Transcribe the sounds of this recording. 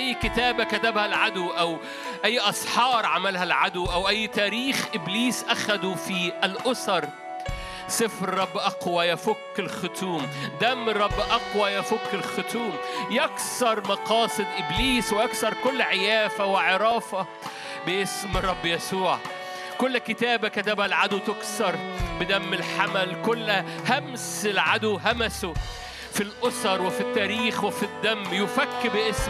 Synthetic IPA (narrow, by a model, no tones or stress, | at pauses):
ʔæjːkɪt̪æːbækæt̪æbhælʕad̪wʔæw | ʔæjːʔɑsˤħɑːɾˤʕamælhælʕad̪wʔæwʔæjːt̪æːɾiːxʔɪbliːsʔæxæd̪ufiʔælʔʊsɑɾˤ | sˤɨfɾɾˤɑbːʔɑqwæjæfʊkːɪlxʊt̪uːmd̪æmːɾˤɑbːʔɑqwæjæfʊkːɪlxʊt̪uːmjæksɑɾˤmɑqɑːsˤɨd̪ʔɪbliːswɪʔaksɑɾˤkolːʕejæːfæwɪʕeɾˤɑːfɑ | bɪʔɪsmɾˤːɑbːjæsuːʕ | kʊlːkɪt̪æːbækæt̪æbælʕad̪wt̪ʊksɑɾˤbɪd̪æmːɪlħamælkʊlːhæmsɪlʕad̪ʊɦæmæso | filʔosɑɾˤwɪfit̪ːæːɾiːxweɪfid̪ːæmːjʊfækːbɪʔɪsm